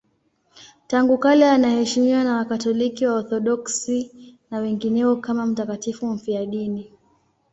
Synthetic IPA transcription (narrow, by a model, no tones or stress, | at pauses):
taŋɡukalɛanahɛʃimiwanawakatɔlikiwaɔθɔɗɔksinawɛŋɡinɛɔkamam̩takatifum̩fiaɗini